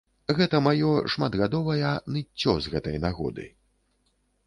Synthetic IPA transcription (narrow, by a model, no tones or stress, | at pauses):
ɣɛt̪ɐmajɔʂmad̪ɣad̪ɔvɐjɐnɨt͡sʲːɔzɣɛt̪ɐjnaɣɔ̰d̪ɨ̰